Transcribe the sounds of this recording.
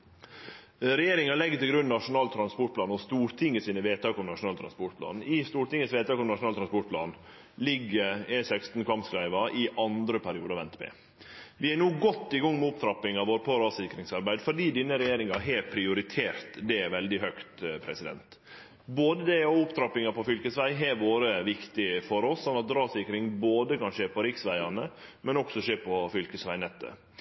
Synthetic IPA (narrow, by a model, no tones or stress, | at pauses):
ɾɛjeːɾɪŋɑlɛɡːət̪ɪlɡɾʉnːnɑʂʊnɑːlt̪ʰɾɑnspɔʈ̚pʰlɑːnɔst̪uːɾt̪ʰɪŋːəsiːnəʋeːt̪t̪ɑːkɔmnɑʂʊnɑːlt̪ʰɾɑnspɔʈ̚pʰlɑ̰ːnɪst̪uːɾʈ̪ɪŋːəsʋeːt̪ʰɑːkɔmnɑʂʊnɑːlt̪ʰɾɑnspɔʈ̚pʰlɑ̰ːn | lɪɡːəɾɛsɛkst̪n̩kʰʋɑmpskɾæɪʋɑʔɪʔɑnd̪ɾəpʰæɾɪuːd̪ɑʋɛnt̪bɛ̰ | ʋɪɛnuːɡɔt̪ːɪɡɔŋːmɛʊpt̪ʰɾɑpːɪŋɑʋoːɾəpʰɔɾɑːsɪkɾɪŋsɑɾbæɪd̪fɔɖiːd̪ɪnːəɾɛjeːɾɪŋɑɦeːpʰɾɪʊɾɪt̪ʰeːɾt̪d̪ɛʋɛld̪ɪɦœkt̪pʰɾɛsɪd̪ɛ̰nt̪ | boːd̪əd̪ɛɔʊpt̪ʰɾɑpːɪŋɑpɔfʏlkəsʋæɪɦɛʋoːɾəʋɪkt̪ɪfɔɾɔsːɔnːɑt̪̚ɾɑːsɪkɾɪŋboːd̪əkɑnʃeːpʰɔɾɪksʋæɪɑnəmɛnɔksɔʃeːpʰɔfʏlkəsʋæɪnɛt̪ːə̰